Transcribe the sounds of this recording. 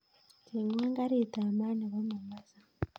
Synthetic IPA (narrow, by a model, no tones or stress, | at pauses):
tʰeŋɡwaːŋɡaɾitaːmaːniβomumaza